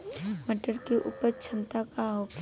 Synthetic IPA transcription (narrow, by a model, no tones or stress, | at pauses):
məʈəɽkiʔʊ̰pət͡ʃʰənt̪akaɦok